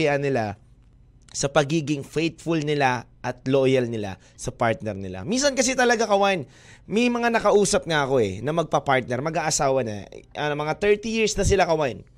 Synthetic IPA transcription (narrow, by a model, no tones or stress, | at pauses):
ɪɐnɪla | sɐpɐɡiːɡɪŋfejt̪fʊlnɪlaʔɐt̪̚loːjɐlnɪla̰ | sɐpaɹt̪̚nɛɾnɪla̰minsɐnkɐs̬ɛt̪ɐlɐɡakɐwaʔɪn | mɐjmɐŋanɐkɐʔuːsɐp̚ŋɐɐko̞ʔɛ̰nɐmɐɡ̚pɐpaɹt̪̚nɛɾmɐɡaːʔɐsaːwɐnɐ̰ʔɐnomɐŋat̪ɛɹt̪ijiɹsnɐs̬ɪlakɐwaʔɪn